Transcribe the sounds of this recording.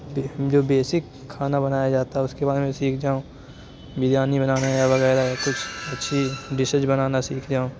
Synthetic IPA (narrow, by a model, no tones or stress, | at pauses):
bd͡ʒoːbeːsɪkʰːaːnabɐnaːjad͡ʒaːt̪aɦɛʊskebaːd̪mẽsiːkʰd͡ʒaːõː | bɪd̪jaːnibɐnaːnajabɐɣɛːɾaɦɛkʊt͡ʃʰɐtːʃʰiɖɪsəd͡ʒbɐnaːnasiːkʰd͡ʒaːõː